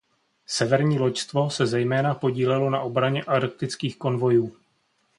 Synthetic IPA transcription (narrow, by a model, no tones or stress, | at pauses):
sɛvɛɾɲiːlo̞cst̪vo̞sɛzɛjmɛːnapo̞ɟiːlɛlo̞naʔo̞bɾaɲɛʔaɾk̚t̪ɪt͡skiːxko̞nvo̞juː